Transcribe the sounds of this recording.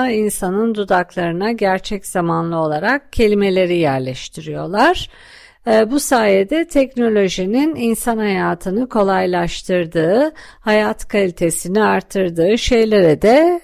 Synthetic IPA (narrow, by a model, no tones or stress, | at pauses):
ainsanɯnd̪ud̪aklˠaɾɯnaɟæɾt͡ʃʰɛcz̥amanlˠɯo̞lˠaɾak̚cʰe̞lʲime̞lʲe̞ɾijæɾlʲɛʃt̪ʰiɾijo̞lˠaɾ̥ | busaːjed̪ɛt̪ʰɛcno̞lʲo̞ʒinininsanhajaːt̪ʰɯnɯkʰo̞lˠajlˠaʃt̪ʰɯɾd̪ɯːhajat̪kʰalʲit̪ʰe̞siniaɾt̪ʰːɯɾd̪ɯːʃe̞jlʲe̞ɾɛd̪ɛ